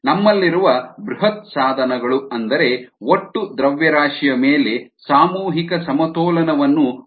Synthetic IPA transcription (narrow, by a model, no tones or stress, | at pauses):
nɐmːɐlːiɾuʋɐbɾuɦɐt̪̚saːd̪ʱɐnɐɡɐɭuɐnd̪ɐɾe̞oʈːud̪ɾɐʋjɐɾaːʂijɐmeːle̞saːmuːɦikɐsɐmɐt̪ɔːlɐnɐʋɐnːu